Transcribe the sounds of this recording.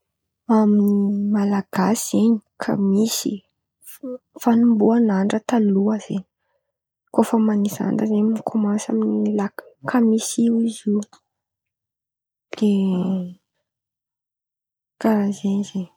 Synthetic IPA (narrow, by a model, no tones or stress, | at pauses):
aminiimalaɡ̥asizeɲi̥kʰa̰misi | fanumbuanaɳɖ͡ʐət̪aluaz̥eɲi | kofəmaniza̰nɖ͡ʐəzeɲminikʰomãnsaminilakkʰamisiwizi | d̪̥e | kazeɲzeɲ